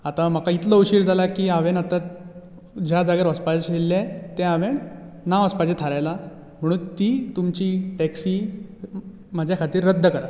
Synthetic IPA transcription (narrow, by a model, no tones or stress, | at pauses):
at̪am̤əkait̪ləəɕiːɽd͡zʱalakiːaʋenat̪a | d͡ʑjad͡zaɡeɾəspad͡ʑɕelːẽt̪ɛ̃aʋennaʋəspad͡ʑet̪ʰaɾajla | m̤əɽ̃uːnt̪iːt̪umt͡ɕiːʈɛksiː | m̤ad͡ʑʱjakʰat̪iːɾːəd̪ʱːəkəɾa